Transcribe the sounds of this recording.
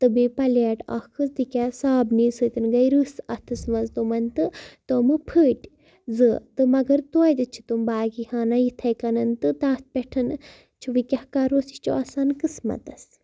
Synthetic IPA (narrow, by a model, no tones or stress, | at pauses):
t̪ɨbipɐlaʈɐ̰kʰɨsd̪ikʲasaːbnisɨt̪ɨnɡɐjɾɨsɐt̪ʰɨsʋɐzt̪omɐnt̪ɨt̪oːmɨpʰəːʈʲ | zɨt̪ɨmɐɡɐɾt̪ojt̪ɨt͡ʃʰi̥t̪umbaːɡihaːnajit̪ʰɐjkɐnɐnt̪ɨt̪ãːspʲɛʈʰɐn | t͡ʃʰuʋikʲahkaːɾoːsi̥t͡ʃoaːsaːnkɨsmɐ̰t̪ɐs